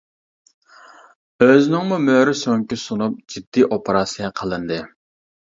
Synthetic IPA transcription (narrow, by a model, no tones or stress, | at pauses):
øznɪŋmumøɾɪsoŋkʲisunup̚d͡ʒid̪ːiʔopʰeɾɑsɨjɑqʰəlˠɨnd̪ɨ